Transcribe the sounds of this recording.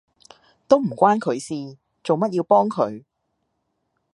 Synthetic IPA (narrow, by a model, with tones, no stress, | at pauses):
t̪o˥wm̩˨˩kʷaː˥nkʰɵ˨˧ɥsiː˨ | t͡so˨wmɐ˥t̚jiː˧wpɔː˥ŋkʰɵ̰˨˧ɥ